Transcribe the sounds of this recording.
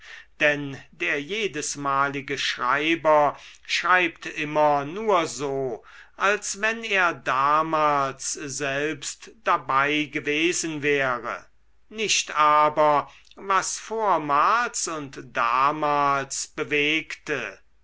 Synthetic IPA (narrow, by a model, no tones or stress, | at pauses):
d̥ɛndeːɐjeːdəsmaːlɪɡəʃʁ̥aɪbɐʃʁ̥aɪp̚tʔɪmɐnuːɐzoːʔalsvɛneːɐdaːmaːlszɛlpstd̥abaɪɡəveːzənvɛːʁə̰ | nɪʃtaːbɐ | vasfoːɐmaːlsʊntd̥aːmaːlsb̥əveːktə